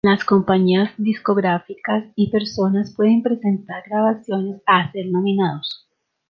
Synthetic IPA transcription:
lasko̞mpaɲiazðisko̞ɣɾafikasipe̞ɾso̞naspwe̞ðe̞mpɾe̞se̞nt̪aɾɡɾaβasjo̞ne̞saːse̞ɾnominaðos

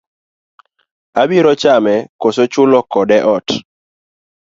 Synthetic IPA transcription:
abiɾɔt͡ʃamɛkosot͡ʃʊlɔkɔdɛʔɔt

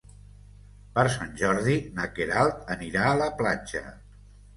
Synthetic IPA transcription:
pəɾsanʲʒɔɾðinəkeɾalˠt̪əniɾaələplad͡ʒə̰

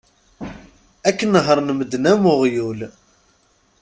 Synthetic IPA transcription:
ækːənəɦəɾˤnəməd̪næmʊʁjul

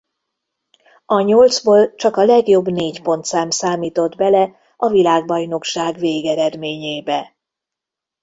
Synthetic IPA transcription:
ɒɲold̪zboːlt͡ʃɒkɒlɛɡjo̞bːneːcpo̞nt̪saːmsaːmiːt̪o̞d̪bɛlɛ | ɒvilaːɡ̚bɒjno̞kʃaːɡveːɡɛɾɛd̪meːɲeːbɛ

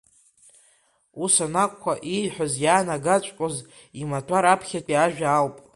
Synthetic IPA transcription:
usanakʷʼkʷʰːaʔijħʷᶣozjaːnaɡat͡ʃʷʼqʷʼoz | imatʷʰʼaɾapʰχʲatʷʼiaʒᶣaːlpʼ

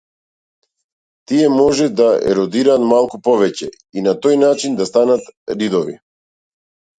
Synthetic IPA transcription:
t̪iɛmɔʒɛd̪aɛ̰ɾɔd̪iɾaːt̪malˠkupɔvɛcɛ | inat̪ɔjnat͡ʃind̪ast̪anat̪ɾid̪ɔvḭ

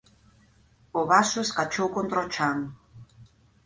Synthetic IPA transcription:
oβasuskat͡ʃowkont̪ɾot͡ʃaŋ

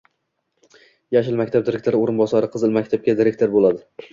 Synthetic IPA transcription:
jaʃɪlˠmakʲt̪abd̪ɪɾekʲt̪ʰoɾɪoɾɪnbɒsaɾɪqʰɨzɨlˠmakʲt̪ʰap̚kʲad̪ɪɾekʲt̪ʰoɾbolad̪ɪ

